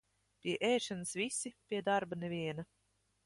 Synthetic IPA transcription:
pʲiɛʔɛːʃanɨsvisipʲiɛd̪aɾbanevʲiɛnɐ

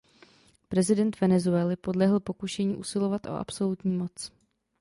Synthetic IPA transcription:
pɾɛzɪdɛnt̪vɛnɛzuɛlɪpo̞dlɛɦl̩po̞kuʃɛɲiːʔusɪlo̞vat̪ʔo̞̰ʔa̰pso̞lut̪ɲiːmo̞t͡s

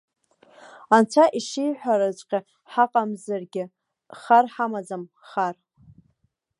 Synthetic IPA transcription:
ant͡ʃʷʰaʔiʂejħʷᶣaɾat͡ʃʷʼqʲʼɪ | ħaqʼamzarɡʲɪ | χarħamad͡zam | χar

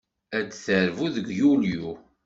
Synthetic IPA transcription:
ædθəɾvuðəɡjulju

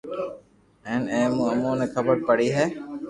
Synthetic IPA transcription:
ɛ̃ːnɛ̃ːmũːəmũːnẽːkʰəbəɾpəɽiːɦɛː

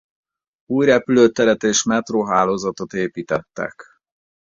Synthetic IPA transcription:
uːjɾɛpyløːt̪ɛɾɛt̪eːʃmɛt̪roːɦaːloːzɒt̪o̞t̪eːpiːt̪ɛt̪ːɛ̰k

